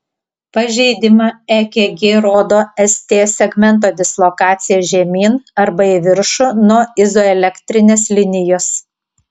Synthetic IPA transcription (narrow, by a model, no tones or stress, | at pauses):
pɐʒʲɛɪd̪ʲɪmɑɛkʲeɡʲeːɾoːd̪oːɛsʲt̪ʲeːsʲɛɡmʲɛnt̪̬oːd̪ʲɪslˠokɑːt̪sʲɪjɛːʒʲɛmʲiːnɐɾbɐiʋʲɪɾʃʊnuɔɪzoːɛlʲɛkʲt̪ʲɾʲɪnʲeːslʲɪnʲɪjoːs